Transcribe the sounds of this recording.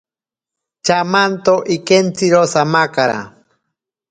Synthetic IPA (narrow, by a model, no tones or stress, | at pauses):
t͡ʃamant̪oʔikent͡siɾosamakaɾa̰